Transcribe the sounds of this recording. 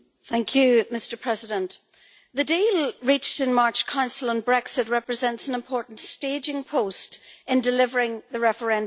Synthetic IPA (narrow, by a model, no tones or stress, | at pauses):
θæ̃ŋkʰjʉmɪstə˞pʰɹ̥ɛzɪdə̃nʔ | ðɨdilˠɹit͡ʃtɨ̃nmaɹt͡ʃkʰãʊ̃nsəlˠə̃nbɹɛksɪt̚ɹɛpɹɨzɛ̃ntsə̃nɪ̃mpʰɔɹʔn̩tsted͡ʒɪ̃ŋpʰostɪ̃ndɪlɪvə˞ɪ̃ŋðəɹɛfə˞ɛ̃n